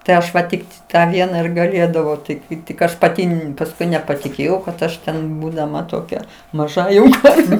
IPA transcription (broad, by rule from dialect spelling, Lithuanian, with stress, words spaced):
tɐɪ ˈɐʃ ʋɐ ˈtʲɪkt tɑː ˈʋʲiɛnɑː ɪr ɡɐˈlʲeːdɐʋɐʊ ˈtɐɪ kɐɪ tʲɪk ˈɐʃ pɐˈtʲɪ pɐsˈkʊɪ nʲɛpɐtʲɪˈkʲeːjɛʊ kɐt ˈɐʃ tʲɛn buːdɐˈmɐ toːˈkʲɛ mɐˈʒɐ jɛʊ ˈkɐrʲʋʲɛ